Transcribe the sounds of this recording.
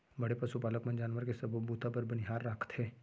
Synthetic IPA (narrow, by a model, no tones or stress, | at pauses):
bɐɽepɐsupaːləkmə̃nd͡ʒaːnʋəɾkesɐbbuːt̪apɐɾbɐnɪɦaːɾːaːkʰt̪ɦɛː